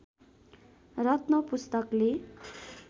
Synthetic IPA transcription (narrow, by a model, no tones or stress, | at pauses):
rʌt̪nʌpust̪ʌkle